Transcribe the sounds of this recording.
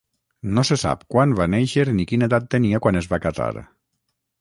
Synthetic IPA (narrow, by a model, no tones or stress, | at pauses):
nosesa̰pkwanβaneʃeɾnikineðat̪ːeniakwanezβakaza̰ɾ